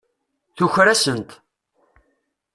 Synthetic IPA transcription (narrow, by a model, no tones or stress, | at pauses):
θuçɾæsənt̪